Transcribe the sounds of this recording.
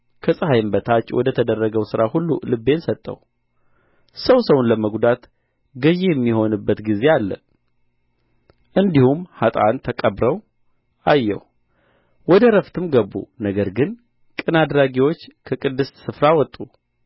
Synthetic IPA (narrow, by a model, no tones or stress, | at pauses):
kʰəsʼəhajmbət̪ʰat͡ʃːwɔ̰d̪ət̪ʰəd̪ərːəɡəwsɨɾahulːṵlɨbːe̞nsət̪ʼːə̰w | səwsəwnləməɡd̪at̪ | ɡəjejɛmːiho̞nɨbːət̪ɡize̞alːə̰ | ʔɨnd̪ihumhat̪ʼa̰nt̪ʰəkʼəβɾəw | ʔajːɛ̰w | wɔd̪əɾəft̪ʰɨmɡəbːṵnəɡəɾɡɨn | kʼɨnad̪ɾaɡiwo̞t͡ʃːkʰəkʼɨd̪ːɨssɨfɾawɔt̪ʼːu